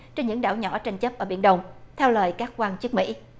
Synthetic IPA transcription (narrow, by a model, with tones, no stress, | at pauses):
t͡ɕe˧nɲɨ̰˧˥ŋɗa̰ː˧˩wɲɔ̰˧˩˥t͡ɕa˧jŋ̟t͡ɕə˦˥p̚ʔəː˧˩ɓi˧˩ənɗə˧wŋ͡mt̪ʰɛ˧wləː˨˩jkaː˦˥kkwaː˧nt͡ɕɨ˦˥k̚mḭ˧˥